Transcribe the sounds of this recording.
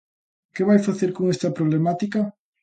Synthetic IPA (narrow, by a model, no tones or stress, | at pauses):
keβajfaθeɾkoŋest̪ɐpɾoβlemat̪ikɐ